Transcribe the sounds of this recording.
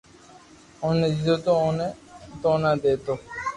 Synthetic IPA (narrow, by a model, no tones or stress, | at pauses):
oːned͡ʒid̪oːt̪oːoːnet̪oːnãːd̪eːt̪oː